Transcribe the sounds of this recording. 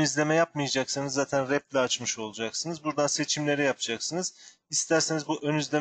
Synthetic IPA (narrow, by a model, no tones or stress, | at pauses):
yzlʲe̞mɛjap̚mɯjad͡ʒaksɯnɯzːaːt̪ʰænɾɛp̚lʲɛat͡ʃmɯʃo̞lˠud͡ʒaksɯnɯzbuɾd̪anse̞t͡ʃʰimlʲe̞ɾijapʰɯd͡ʒaksɯnɯz̥ | ist̪ʰæɾsenizbuʔønyzlʲe